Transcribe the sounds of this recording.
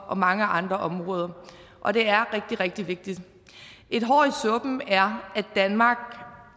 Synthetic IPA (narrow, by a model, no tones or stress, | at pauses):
ʔɒ̽mɑ̈ŋəʔɑ̈nd̥ʁɐʔɒ̽mʁɔ̽ːð̞ˠɐ | ʔɒ̽d̥e̝æɐʁɛɡ̥̚d̥iʁɛɡ̥̚d̥iʋe̝ɡ̥̚d̥id̥ | ʔe̝d̥ɦɒ̰ːisɔ̽b̥m̩æɐæd̥ænmɑ̈ːɡ̥